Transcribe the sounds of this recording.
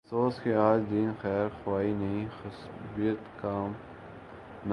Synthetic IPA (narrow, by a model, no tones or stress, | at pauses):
soːskeaːd͡ʒd̪iːnxɛːɾxʊwaːinɐɦĩxʊs | bijət̪kaːm | n